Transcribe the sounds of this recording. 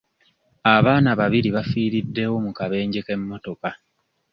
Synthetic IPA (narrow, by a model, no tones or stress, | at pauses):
aβaːnaβaβiɾiβafiːɾidːe̞wo̞mukaβe̞ːɲɟekemːo̞to̞ka